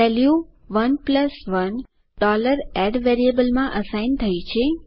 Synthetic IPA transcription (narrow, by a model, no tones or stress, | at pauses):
ʋɛlju | ʋənpləsʋən | ɖɔləɾɛɖʋɛɾiəbəlmãʔəsajnt̪ʰəjt͡ʃʰe